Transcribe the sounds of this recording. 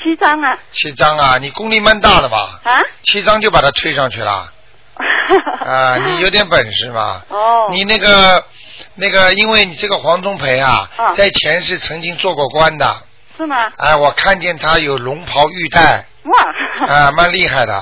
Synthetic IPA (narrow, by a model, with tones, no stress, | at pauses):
t͡ɕʰi˧˥ɑ˥ŋ˧t͡ɕʰi˧˥ʈ͡ʂɑ˥ŋɐ˨ni˨˩kʊ˥ŋli˥˧ma˥˧nt̪a˥˩d̪ə˩mɐ̰˩˥t͡ɕʰi˧˥t͡sɑ˥ŋt͡ɕjo˥˩ʊpa˨˩t̪ʰa˥t̪ʰwe˥ɪʂɑ˥˧ŋt͡ɕʰy˥˩lə̰˩ | ə˧ni˨˩jo˧˥ʊt̪jɛ˧˥npə˨˩nʂɻ̩˥˩mɐ̰˩ni˨˩na˥˩ɡə˩ | na˥˩ɡə˩i˥nwe˥˩ɪni˨˩ʈ͡ʂɤ˥˩ɡə˩xwɑ˧˥ŋt͡sʊ˥ŋpʰe˧˥ɪɐ̰˧t͡sa˥˩ɪt͡ɕʰjɛ˧˥nʂɻ̩˥˩t͡sʰɤ˧˥ŋt͡ɕi˥ŋt͡swɔ˥˧kwɔ˥˩kwa˥nd̪ə̰˩ | ʂ̩˥˩a̰˥˩ɪwɔ˨˩kʰa˥˧nt͡ɕjɛ˥˩nt̪ʰa˥jo˨˩ʊlʊ˧˥ŋpʰɑ˧˥ʊy˥˧t̪a˥˩ɪ˩ | a˥˧ɪma˥˧nli˥˧xa˥˩ɪd̪ə̰˩